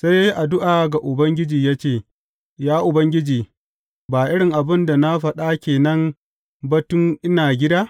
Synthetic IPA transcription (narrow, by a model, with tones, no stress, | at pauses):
sa˦jʔa˨dʊ˦ʔaː˨ɡa˨ʔʊ˨bɐ˦ŋɡʲɪ˦d͡ʒiː˨jaː˦t͡ʃeː˦˨ | jaː˦ʔʊ˨bɐ˦ŋɡʲɪ˦d͡ʒiː˨ | baː˨ʔɪ˦ɽɪ˨ŋʔa˨bɪ˦nda˨na˦ɸɐ˨ɗa˦kʲeː˨nɐ˦m | bɐ˨tʊ˦ŋʔɪ˦naː˨ɡʲɪ˦daː˦